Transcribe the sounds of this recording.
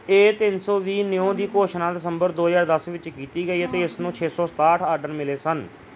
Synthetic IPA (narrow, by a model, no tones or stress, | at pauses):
eːt̪ɪnsɔːʋiːnɪõːd̪iːkoːʃnãːd̪ɪsəmbəɾd̪oːɦəzaːɾd̪əsʋɪt͡ʃkiːt̪iːɡəiːət̪eːɪsnũːt͡ʃʰeːsɔːst̪aːʈʰaːɾɖəɾmɪleːsən